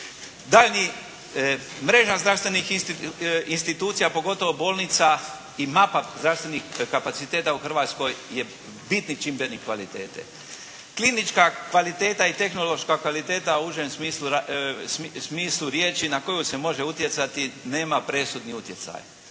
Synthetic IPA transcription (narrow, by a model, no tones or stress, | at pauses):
d̪aːlni | mɾe̞ːʒazd̪ɾaʋst̪ʋe̞nix | inst̪it̪uːt̪sijapo̞ɡo̞t̪o̞ʋo̞bo̞ːlˠnit̪sa | imapazd̪ɾaʋst̪ʋenixkapasit̪eːt̪auxr̩ʋaːt̪sko̞jje | bit̪nit͡ʃimbenikʋalit̪ḛːt̪ḛ | klinit͡ʃkakʋalit̪e̞ːt̪ait̪e̞xno̞lo̞ʃkakʋalit̪e̞ːt̪auuʒemsmiːslˠussmiːsluɾjeːt͡ʃinako̞juse̞mo̞ʒe̞ut̪ʲje̞t̪sat̪ineːmapɾe̞sud̪niut̪je̞t̪sa̰j